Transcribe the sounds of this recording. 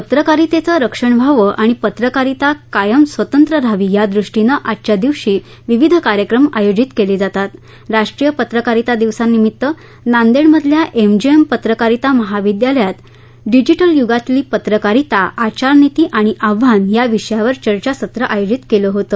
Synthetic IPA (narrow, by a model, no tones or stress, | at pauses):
pət̪ɾəkaɾit̪et͡səɾəkʂəɳbʱaʋəʔaɽ̃ipət̪ɾəkaɾit̪akajəmsʋət̪ənt̪ɾəɾʱaʋiːjad̪ɾuʂʈinəʔatːt͡ɕad̪iʋʂiː | ʋiʋid̪ʱəkaɾjəkɾəma̰jod͡ʑit̪keled͡zat̪at̪ | ɾaʂʈɾijəpət̪ɾəkaɾit̪ad̪iʋsanːimit̪ːə | nand̪eɳməd̪ʱljaʔemd͡ʑiempət̪ɾəkaɾit̪aməɦaʋid̪jaljat̪ | ɖid͡ʑiʈəljuɡat̪liːpət̪ɾəkaɾit̪aʔat͡ɕaɾnit̪iːʔaɽ̃iʔaʋːanjaʋiʂjaʋəɾt͡ɕəɾt͡ɕasət̪ɾəʔajod͡ʑit̪keləɦot̪ə